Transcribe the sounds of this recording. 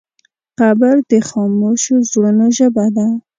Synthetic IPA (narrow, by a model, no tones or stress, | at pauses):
qabaɾd̪əxɑmoʃozɽənoʒəbad̪a